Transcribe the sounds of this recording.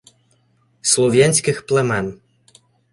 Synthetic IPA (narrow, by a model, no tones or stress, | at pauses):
swɔvʲjaɲʲsʲkʲixplɛmɛn